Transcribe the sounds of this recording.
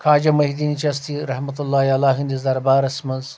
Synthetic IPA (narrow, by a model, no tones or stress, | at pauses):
kʰaːd͡ʒɐmɐɦid̪init͡ʃɐst̪iɾɐhmɐt̪ulːaːialaːɦind̪izd̪ɐɾbaːɾɐsmɐnz